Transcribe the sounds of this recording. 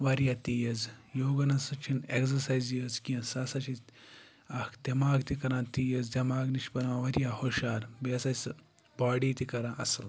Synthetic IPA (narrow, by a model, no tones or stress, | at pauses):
ʋɐɾjat̪ijɐzjoːɡɐnɐsɐt͡ʃʰineksɐsajzjəːzkiɐ̃sɐsɐt͡ʃʰi | ɐkʰd̪̥ʲɐmaːɡt̪ikɐɾãːnt̪ijɐzd̪ʲɐmaːɡniʃbɐɾãːʋɐɾjahoʃaːɾbiɐsɐs | baːɽiːt̪ikɐɾãːʔɐ̰sɨl